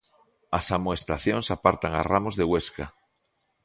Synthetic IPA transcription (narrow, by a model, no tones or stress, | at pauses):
asamoest̪aθjoŋsapaɾt̪aŋa̰ramozðeɣweska̰